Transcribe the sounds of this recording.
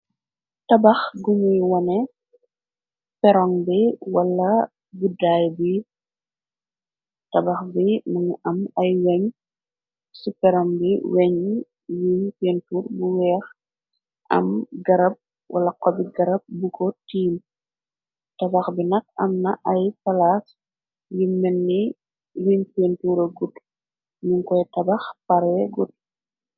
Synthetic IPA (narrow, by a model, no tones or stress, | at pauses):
tɐbɐxɡuɲujwɐnɛ | pɛɾɔŋbiwɐlːɐ | budaːjbi | tɐbɐxbimɐŋuʔɐmɐjwɛɲ | supɛɾɔŋbiwɛɲ | jiɲpenturbuwɛːx | ʔɐ̰mɡɐɾɐp̚ | wɐ̰lɐkɔbiɡɐɾɐp̚bukʰɔtiːm | tɐbɐxbinɐk̚ɐmnɐʔɐjpɐlas | jumːɛnːi | wimpentuːɾɐɡut | muŋkɔjtɐbɐxpɐɾɛɡut̚